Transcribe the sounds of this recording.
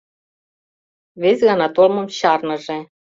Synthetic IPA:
βezʲɣɑnɑt̪olmɤ̆mɕɑrnɤ̆ʒĕ

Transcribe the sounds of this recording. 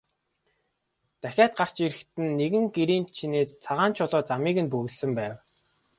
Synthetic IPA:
t̪æxʲaːt̪̚ɢar̥t͡ɕiɾɘ̆xt̪ɘ̆nːeɣɘ̆ŋɡeɾiːnt̪t͡ɕʰineːst͡sʰaʁaːnt͡ɕʰʊɮɔːt͡samiːɣɘ̆npɵɣɵ̆ɮsɘ̆mpæːw

